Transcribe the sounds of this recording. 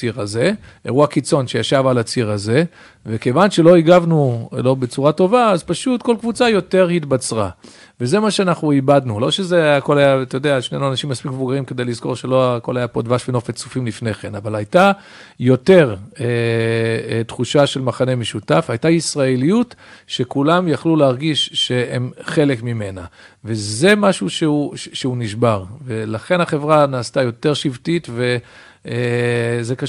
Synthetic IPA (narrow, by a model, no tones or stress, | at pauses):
iʁaze̞ḛʁuakit͡so̞nʃejaʃavalat͡siʁaze̞ | veke̞vanʃelo̞iɡavnulo̞be̞t͡suʁato̞vaːzpaʃutko̞lkvut͡sajo̞te̞ʁhitbat͡sʁa̰ | veze̞maʃeanaχnuibadnulo̞ʃe̞zeako̞lajat̪ajod̪eaʃnejnuanaʃimːaspikmevuɡaʁimke̞d̪e̞jlizko̞̰ʁʃelo̞ko̞lajapo̞d̪vaʃveno̞fet͡sufimlifne̞χenavalajta | jo̞te̞ʁe | tχuʃaʃe̞lmaχanemeʃutafhajtaisʁaelijutʃe̞kulamjaχluleaʁɡiʃʃe̞emχe̞le̞kmime̞naveze̞maʃuʃeuʃeuniʃbaʁvelaχe̞naχe̞vʁanaːstajo̞te̞ʁʃivtitve̞ | zeka